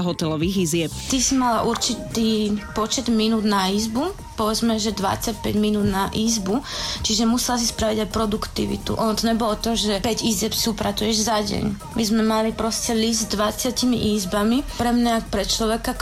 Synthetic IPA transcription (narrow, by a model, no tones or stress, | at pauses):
ɦɔt̪ɛlɔʋiɣizɪɛp̚t̪isimalaʔuɾt͡ʃit̪iːpɔt͡ʃɛd̪minuːd̪naiːzbu | pɔʋɛd͡zmɛʒɛd̪ʋa̰t͡sac̚pɛ̰ɟminuːd̪naʔiːzbut͡ʃiʒɛmusɛlas̬ispɾaʋiɟajpɾɔd̪ukt̪ḭʋḭt̪ṵʔɔnt̪ɔɲɛbɔlɔt̪ɔʒɛpɛɟiːzɛpsiupɾat͡sujɛʒzaɟɛ̰ɲ | mizmɛmalipɾɔscɛlisd̪zd̪ʋat͡sɪacimḭʔiːzbamipɾɛmɲaakpɾɛt͡ʃlɔʋɛka